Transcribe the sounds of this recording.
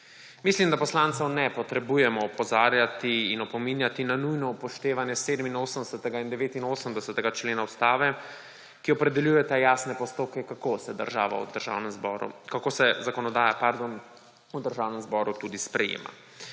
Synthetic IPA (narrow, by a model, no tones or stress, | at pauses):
mislimd̪apɔslant̪sɛwnɛpɔt̪ɾɛbuːjɛmɔɔpɔzaːɾjat̪iːnɔpɔminjat̪inanujnɔpɔʃt̪eːʋanjɛseːd̪əminoːsəmd̪ɛsət̪ɛɡaind̪ɛʋeːt̪inoːsəmd̪ɛsət̪ɛɡat͡ʃleːnaust̪aːʋɛ | kiɔpɾɛd̪ɛljuːjɛt̪ajaːsnɛpɔst̪oːp̚kɛkakosɛd̪əɾʒa̰ːʋa̰ṵd̪əɾʒa̰ːwnɛmzbɔɾṵkakosɛzakɔnɔd̪aːjapaɾd̪on | ud̪əɾʒaːwnɛmzbɔːɾut̪ud̪ispɾɛjḛːma̰